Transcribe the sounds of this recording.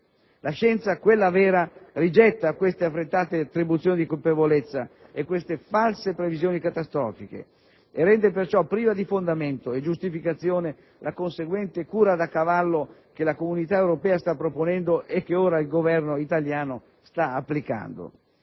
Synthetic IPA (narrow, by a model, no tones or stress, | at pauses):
laʃɛnt̪sakwelːavɛːɾarid͡ʒɛt̪ːakwest̪eafːɾet̪ːaːt̪et̪ːɾibut̪sjoːnid̪ikolpevolet̪sːa | ekwest̪efalsepɾevizjoːnikat̪ast̪ɾɔːfik̟ḛ | erːɛnd̪epert͡ʃɔpːɾiːvad̪ifond̪ament̪oed͡ʒust̪ifikat̪sːjoːne | lʔakonseɡwɛnt̪ekuːɾad̪akːavalːokelakomunit̪aewɾopɛːast̪apːɾoponɛnd̪oʔek̟ːeoːɾailɡovɛrnoit̪aljaːno | st̪aapːlika̰nd̪o̰